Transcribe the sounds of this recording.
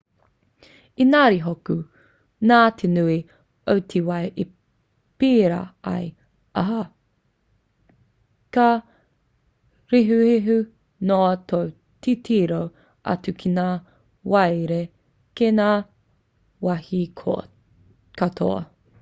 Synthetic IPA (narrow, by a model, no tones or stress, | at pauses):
inaːɾiɦoku | naːt̪ʰenui | owtʰiwɐjʔi | piːɾa̰ɐ̰j | aɦa | ka | ɾiɦuiɦu | noɐtow | tʰitʰiːɾow | ʔɐ̰tukʰinaː | wɐjɾe | kenaː | wɐhio̰ | katʰo̰ɐ̰